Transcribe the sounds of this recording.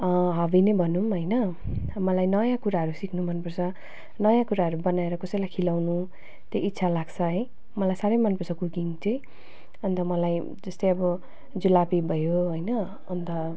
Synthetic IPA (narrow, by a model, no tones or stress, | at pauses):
ʌɦʌbinebʱʌnumɦʌjnʌ | mʌlajnʌjãkuɾaɦʌɾusikʰnumʌnpʌrt͡sʰʌ | nʌjãkuɾaɦʌɾubʌnaeɾʌkʌsʌjlajkʰilawnu | t̪oʔit̪ːsʰalaɡt͡sʰʌɦʌj | mʌlajsaɾʌjmʌnpʌrt͡sʰʌkukiŋt͡sʌj̃ | ʌnt̪ʌmʌlaj | d͡zʌst̪ʌjʌbʌ | d͡zulapibʱʌjoɦojnʌː | nt̪ʌ